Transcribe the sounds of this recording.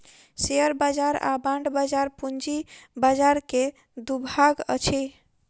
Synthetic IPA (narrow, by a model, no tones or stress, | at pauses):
seəɾbad͡ʒaɾa̰bãɳɖbad͡ʒaɾpund͡ʒibad͡ʒaɾke | d̪ubʱaɡə̰t͡ʃʰi